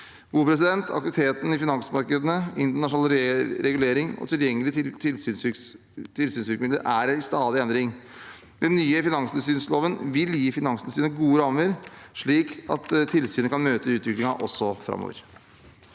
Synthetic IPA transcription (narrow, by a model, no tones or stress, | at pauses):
ɡ̥uːpʰɾɛs̬ɪd̪ɛnt̪ʰɑ̰kt̪ɪʋɪt̪ʰeːt̪n̩ɪfɪnɑŋsmɑɾkəd̪ənəɪnt̪əɳɑʂnɑːlɾɾɛɡʉleːɾɪŋɔ̰t̪ʰɪljɛŋːəlɪtɪlt̪ʰlː | t̪ʰɪlsyːnsʋɪɾkmɪd̪ə̰ʔæɾæɪst̪ɑːd̪ɪɛnd̪ɾɪŋ | d̪̥ɛnːyːəfɪnɑŋslɪsyːnsloːʋənʋɪljiːfɪnɑŋsləsyːnəɡuːəɾɑməɾʂɭiːkɑ̰t̪ʰːɪlsyːnəkʰɑnmøːt̪əʉːt̪ʋɪklɪŋɑʔɔsːɔfɾɑ̰mo̰ːʋə̰ɾ